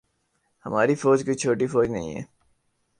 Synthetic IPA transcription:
hɐmaːɾifoːd͡ʒkoit͡ʃʰoːʈifoːd͡ʒnɐ̰ɦḭ̃ɦɛ̰ː

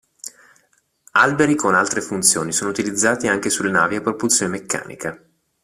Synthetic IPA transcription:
albeɾikonalt̪ɾefunt̪sjoːnisoːnout̪ilid̪zːaːt̪iaŋkesulːenaːviapːɾopult̪sjonemekːa̰ːnʔḭka

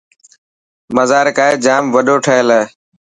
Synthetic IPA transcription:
məzaːɾkaːeːd͡ʒaːmʋəɗoːʈʰəːeləː

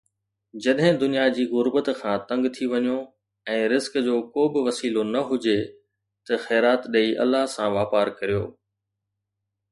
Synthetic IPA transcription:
d͡ʑɐɗɦɪ̃d̪ʊnijad͡ʑiːɣʊɾbət̪kʰãːt̪ɐ̃ŋɡt̪ʰiʋɐɲo | ɛ̃ːɾɪzkd͡ʑoːkoːbɪʋɐsiːlonɐɦʊd͡ʑe | t̪ɐxɛːɾaːt̪ɗeːiʔɐ̰lːaɦsãʋaːpaːɾkɐɾijo̰ː

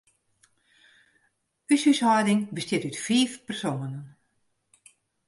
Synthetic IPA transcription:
ysyshɔjdɪŋbəstjɪtytfiːfpərsoːnən

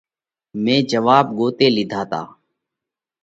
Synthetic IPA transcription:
mẽːd͡ʒəʋaːb̚ɡoːt̪eːlɪd̪ʱaːt̪a̰ː

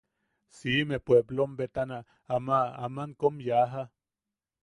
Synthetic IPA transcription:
simepweblombet̪ana | amaa̰maŋkomjaɦa

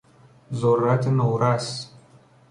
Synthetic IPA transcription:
zorat̪enowɾasʲ

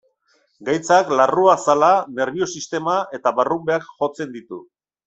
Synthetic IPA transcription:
ɡajt͡saklaruasalane̞ɾβio̞sist̪e̞mae̞t̪aβarumbe̞akxo̞t͡se̞nd̪it̪ṵ

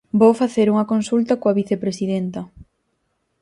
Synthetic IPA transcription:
bowfaθeɾuŋɐkonsult̪ɐkoaβiθepɾesiðent̪ɐ

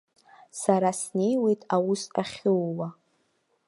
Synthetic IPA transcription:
saɾasne̞jwe̞jtʼawʊsa̰χʲɪwwa

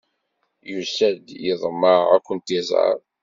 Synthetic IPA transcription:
jusæd̪jəðˤməæ̰kʷːənt̪izˤə̰ɾˤ

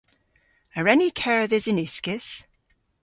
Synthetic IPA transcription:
əɹɛnikʰɛɹəðɪzɪ̃nʉˑskɪs

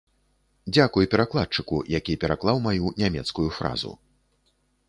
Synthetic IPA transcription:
d͡zʲakujpʲɛɾaklˠat̪̚t͡ʂɨkṵjakʲipʲɛɾaklˠawmajunʲamʲɛt̪skujufɾa̰zṵ

